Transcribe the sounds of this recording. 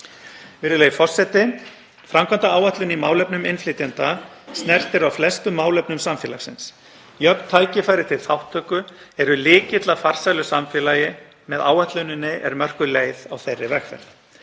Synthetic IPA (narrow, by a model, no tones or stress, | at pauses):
vɪɾɪleːjɪfɔr̥sɛt̪ɪ | fɾamkʰvant̪aaːwaht̪lʏnimawlœpnʏmɪnflɪt̪jant̪a | snɛr̥t̪ɪɾawflɛst̪ʏmːaːwlœpnʏmsamfjɛːlaxsɪns | jœp̪t̪ʰːaːjcɪfajɾɪt̪ʰɪl̥θawht̪ʰːœːkʏɛɾʏlɪːcɪt̪lafar̥sajlʏsamfjɛːlaːjɪ | mɛðaːwaht̪lœɥnɪnːɪʔɛ̰ɾmœr̥kʏleːjðawθejrːɪvɛxfɛ̰ɾ̥ð